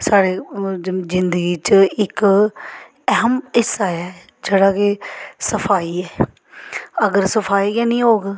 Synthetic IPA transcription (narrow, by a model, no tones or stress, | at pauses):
saːɽeːzɪnd̪əɡiːt͡ʃəɪk | ɛɦəmɪsaːja | d͡ʒeːɽaːkɪsəfʰaːiːɛː | əɡəɾsəfʰaːiːkaːnĩːɦoːɡ